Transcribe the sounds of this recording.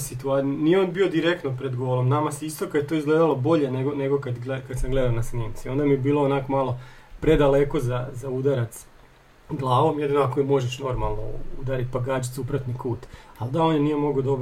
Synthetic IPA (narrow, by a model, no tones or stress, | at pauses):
sit̪uanijeonbio̞d̪iɾekt̪nopɾed̪ɡoʋoɾomnamaseist̪okajet̪oizɡleːd̪alˠobo̞ʎe̞neɡoneɡokad̪ɡlekad̪samɡled̪aonasniːmt̪sio̞nd̪amibiːlˠoonakomalˠo̞pɾed̪ale̞ko̞zazaud̪aɾat̪s | ɡlˠaːʋo̞mjed̪inoakomo̞ʒeʃno̞ɾmalˠno̰ud̪aɾit̪̚paɡaːd͡ʒit̪supɾat̪nikuːt̪ald̪aonjenijemo̞ɡod̪o̞b